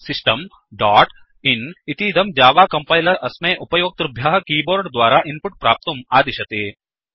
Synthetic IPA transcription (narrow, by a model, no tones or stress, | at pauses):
sɪsʈəm | ɖaːʈ | ɪnit̪id̪ɐmd͡ʒaːʋaːkɐ̃mpaːɪlɐʔɐsmẽʔʊpɐjoːk̚t̪ɾɐbʱjaːɦkiːboːɾɖd̪waːɾaʔɪnpʊʈ̚pɾaːp̚t̪ɐmaːd̪ɪʃɐt̪eː